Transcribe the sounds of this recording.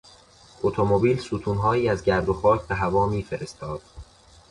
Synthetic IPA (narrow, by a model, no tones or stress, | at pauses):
ʔot̪ʰo̞mobiːlsuːt̪ʰuːnɦɒːjiːæzɟæɾd̪o̞xɒːcʰbeɦævɒːmiːfe̞ɾe̞st̪ʰɒːd̪̥